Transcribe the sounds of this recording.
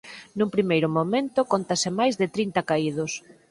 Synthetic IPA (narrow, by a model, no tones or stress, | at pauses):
numpɾimejɾʊmomẽnt̪ʊkont̪asɪmajzðɪt̪ɾint̪ɐkaið̞ʊs